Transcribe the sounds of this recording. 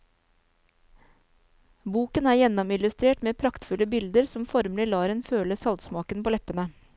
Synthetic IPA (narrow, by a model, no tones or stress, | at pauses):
buːkənæːɾjɛnɔmɪlʉst̪ɾeːʈmeːpʰɾɑkt̪fʉləbɪld̪əɾsɔmfɔɾmlɪlɑːɾeːnføːləsɑlt̪smɑːkənpʰoːlɛpənə